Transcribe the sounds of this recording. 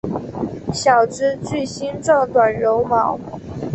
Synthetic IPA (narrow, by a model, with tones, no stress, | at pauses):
ɕjɑ˨˩ʊʈ͡ʂ̩˥t͡sɥi˥˩ɪɕi˥nt͡sɑ˥˩ʊt̪wa˨˩nɻo˧˥ʊmɑ˨˧˦ʊ